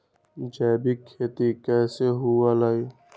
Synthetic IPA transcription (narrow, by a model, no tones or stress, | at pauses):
d͡ʒɛːbikʰːeːt̪ikɛːseɦualaːjo